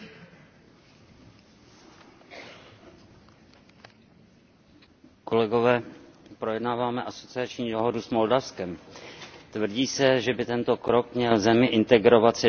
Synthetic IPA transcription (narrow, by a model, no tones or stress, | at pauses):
ko̞lɛɡo̞vɛːpɾo̞jɛdnaːvaːmɛʔaso̞t͡sɪat͡ʃɲiːdo̞ɦodusmo̞ldafskɛm | t̪vr̩ɟiːsɛʒɛbɪt̪ɛnt̪o̞kɾo̞kmɲɛlzɛmɪʔɪnt̪ɛɡɾo̞vat̪sɛ